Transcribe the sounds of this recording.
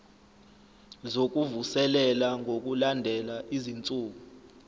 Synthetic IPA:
zok̬ʼuvusɛlɛlaŋʱok̬ʼulandʱɛlaʔizint͡sʼuːɓu

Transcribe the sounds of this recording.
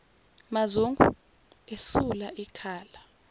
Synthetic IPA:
mazuŋɡʱṵ | esulaʔikʰaːla

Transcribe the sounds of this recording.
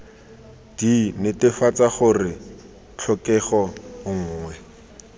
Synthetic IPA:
d̥inɪtɪfat͡saχʊrɪ | t͡ɬʰɔkɛχɔŋ̩ːŋwɛ

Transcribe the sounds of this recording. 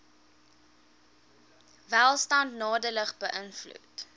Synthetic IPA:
vælˠstɐntnɑːdələχbəʔənflṵt

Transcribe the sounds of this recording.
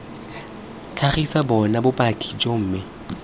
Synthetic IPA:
t͡ɬʰaχisabɔnabʊpʼakʰʼi̥t͡ʃʼom̩ːmɪ

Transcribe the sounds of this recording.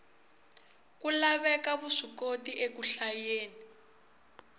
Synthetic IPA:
kulaβɛkaβuʂikotiʔekuɬajeːni

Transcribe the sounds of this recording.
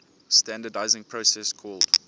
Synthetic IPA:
stæ̃ndədaɪzɪ̃ŋpʰɹosɛskʰɔːld̥

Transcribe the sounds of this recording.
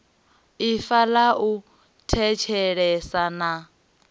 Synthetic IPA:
ifalaʔu | tʰɛt͡ʃʰɛɺɛsana

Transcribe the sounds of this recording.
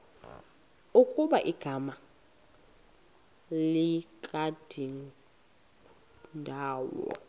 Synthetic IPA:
ukʼuɓaʔiɡ̥ʱama | likʼad̥ʱin | ndʱaːwɔ̰

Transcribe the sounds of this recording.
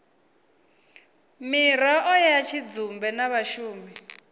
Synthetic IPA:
miɾaʔɔjajat͡ʃʰid͡zumbɛnaβaʃuːmi

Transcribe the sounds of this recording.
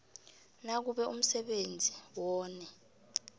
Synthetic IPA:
nak̬uɓɛum̩sɛɓend͡zʱiwɔːnɛ

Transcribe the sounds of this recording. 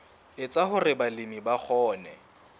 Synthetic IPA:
ɪt͡sʼaɦʊrɪbalɪmibak͡xʰɔːnɛ

